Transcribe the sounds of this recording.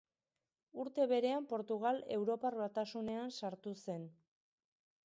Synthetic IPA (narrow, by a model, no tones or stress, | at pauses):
uɾt̪e̞βe̞ɾe̞ampo̞ɾt̪uɣale̞wɾo̞parβat̪asune̞ansaɾt̪use̞n